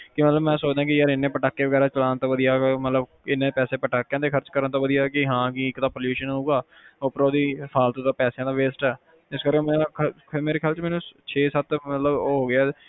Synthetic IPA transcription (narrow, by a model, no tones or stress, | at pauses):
kɪmət̪ləbmɛ̃ːsoːt͡ʃd̪ãːkɪjəɾɪnːẽːpəʈaːkːeːʋəɡɛːɾaːt͡ʃəlaːnt̪õːʋəd̪ijaːmət̪ləb | ɪnːẽːpɛːseːpəʈaːkːjãːd̪eːkʰəɾt͡ʃkəɾənt̪õːʋəd̪ijaːkɪɦãːkiɪkt̪aːpoːljuːʃənɦouːɡaː | oːpɾoːd̪iːpʰaːlt̪õːt̪õːpɛːsejãːd̪aːʋeːsʈɛː | ɪskəɾkẽmɛ̃ːkʰ | meːɾeːkʰjaːlt͡ʃmɛːnũt͡ʃʰeːsət̪mət̪ləboːɦoːɡɪaː